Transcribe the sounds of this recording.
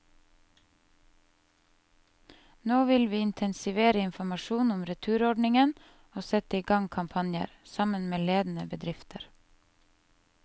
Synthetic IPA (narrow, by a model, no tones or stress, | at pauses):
noːʋɪlʋiːɪnt̪ʰɛnsɪʋeːɾəɪnfɔmɑʃuːnʊmɾət̪ʰʉːɾɔɖɳɪŋən | oːsɛt̪əɪɡɑŋkʰɑmpʰɑnjə̰ɾsɑmənmeːleːd̪n̩əbəd̪ɾɪft̪ʰəɾ